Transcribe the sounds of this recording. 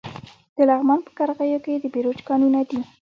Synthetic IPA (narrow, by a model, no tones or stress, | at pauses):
d̪̥əlaɣmɑnpə̥kaɾɣəjoked̪əbeɾod͡ʒkɑnunad̪i